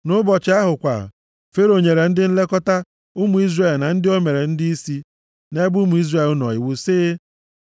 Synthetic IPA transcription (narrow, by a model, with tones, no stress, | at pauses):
nʊ˦bɔ˨t͡ʃɪ˦a˦ɦʊ˨kʷa̰˨ | fe˦ɾo˨ɲe˨ɾe˨n̩˦dɪ˦n̩˦le˦kɔ˦ta˦ | ʊ˦mu˨˦i˦zre˦˨lna˨n̩˦dɪ˦o˦me˨ɾe˨n̩˦dɪ˦i˦si˦ | ne˦ɡ͡bu˦mu˨˦i˦zre˦˨lnɔ̰˨i˨wu˦sɪː˦